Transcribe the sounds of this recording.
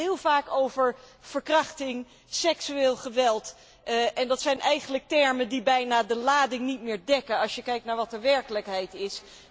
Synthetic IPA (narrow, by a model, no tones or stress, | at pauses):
ɦɪːlˠvaːkowvəɹv̥əɹkrɑχtɪŋ | sɛksyeːlˠχəʋɛlˠt | ʔɛndɑtsɛjnʔɛjχənlək̚tɛɹməndibɛjnaːdəlaːdɪŋnitmɪːɹdɛkənɑʃjəkɛjk̚tnaːɹʋɑtəʋɛɹkələkɦɛjtɪs